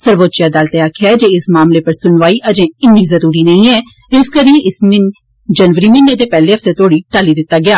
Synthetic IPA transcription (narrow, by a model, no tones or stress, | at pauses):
səɾʋoːt̪ːt͡ʃjaːd̪aːlt̪eːaːkʰjaɛd͡ʒeːɪsmaːmleːpəɾsʊnʋaːiːʔəd͡ʒẽːɪnːiːzəɾuːɾiːnəĩːɛː | d͡ʒɪskəɾiːeʔɪsmɪn | d͡ʒənʋəɾiːmɪnːeːd̪eːpɛːleːɦəft̪eːt̪ʰoːɽiːʈaːliːd̪ɪt̪ːaːɡɪaː